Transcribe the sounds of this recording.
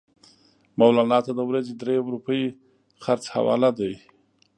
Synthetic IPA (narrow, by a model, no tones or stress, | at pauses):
mawlɑnɑt̪ad̪əwɾazed̪ɾewɾupəji | xaɾt͡sha̰wɑ̰lad̪aj